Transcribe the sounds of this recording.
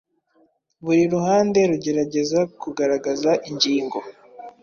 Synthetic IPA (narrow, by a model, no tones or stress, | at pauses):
βuɾiɾuhaːnde̞ɾuɟe̞ɾaɟe̞zakuɡaɾaɡazaʔiɲɟiːŋɡo̞